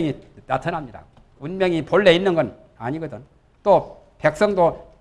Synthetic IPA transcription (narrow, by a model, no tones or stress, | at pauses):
ŋina̰tʰʌnɦamɲida̰ | unmjʌŋipoɭːe̞inːɯnɡʌn | aɲiɡʌdɯn | t͈o | pe̞k̚s͈ʌŋdo